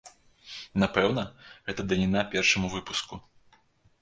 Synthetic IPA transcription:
napɛwnɐɣɛt̪ɐd̪ɐlʲinapʲɛrʂɐmuvɨpusku

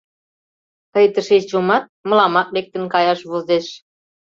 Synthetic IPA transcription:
t̪ɤjt̪əʃeʃt͡ɕomɑt̪̚mə̆lɑmɑk̚lek̚t̪ə̆nkɑjɑʃβozeʃ

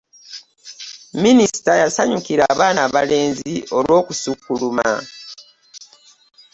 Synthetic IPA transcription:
minisi̥tajasaɲukiɾaːβaːnaβa̰le̞ːnzio̞lʔwo̞ːkusukːuluma̰

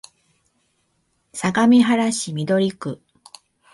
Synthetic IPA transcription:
saɡamʲiɦaɾaɕimʲid̪o̞ɾʲikɯ̟

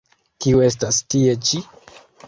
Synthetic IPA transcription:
kiue̞s̬tastie̞t͡ʃi

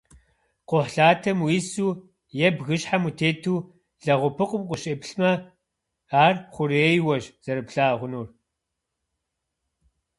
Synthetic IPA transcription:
qʷʊħɬaːtʰɐmwisuː | jɛbɣɨɕħamutʰeːtʰuː | ɮɐʁʷʊpʰɨqʷʼʊmqʷʼʊɕʼeːpɬmɐ | aːrχʷʊɾeːjwɐʒz̥ɐɾɨpɬaːʁʷʊnuːr

